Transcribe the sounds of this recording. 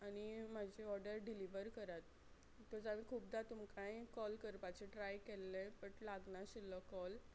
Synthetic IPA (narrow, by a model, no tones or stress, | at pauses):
anim̤ad͡ʑʱeɔɾɖəɾɖiliʋəɾkəɾat̪ː | ɔɾd͡zamikʰuːp̚d̪at̪umkãjkɔlkəɾpat͡ɕeʈɾajkelːepəɳlaɡnaɕilɔkɔl